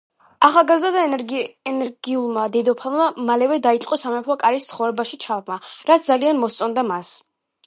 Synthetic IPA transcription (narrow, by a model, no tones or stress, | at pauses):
aχalˠɡazd̪ad̪aɛnɛɾɡiulˠmad̪ɛd̪ɔpʰalˠmamalɛvɛd̪ait̪sʼqʼɔsamɛpʰɔkʼaɾist̪sʰχɔvɾɛbaʃit͡ʃʰavmaɾat̪s̚ʰd̪zalianmɔst̪sʼɔnd̪amas